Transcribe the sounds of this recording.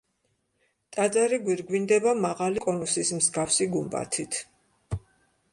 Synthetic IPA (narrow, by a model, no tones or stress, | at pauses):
t̪ʼad̪zaɾiɡwiɾɡwind̪ɛbamaʁalikʼɔnusismzɡafsiɡumbʼa̰t̪ʰit̪ʰ